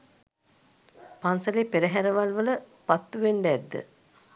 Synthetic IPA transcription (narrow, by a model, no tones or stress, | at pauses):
pansəleːpeɾəɦæɾəʋalʋələpat̪ːuʋeɳɖəɛd̪ːə̰